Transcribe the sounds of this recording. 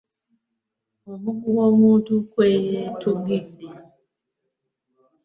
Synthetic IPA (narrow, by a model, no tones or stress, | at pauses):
omuɡuwomuntukwejetʰuŋɡinde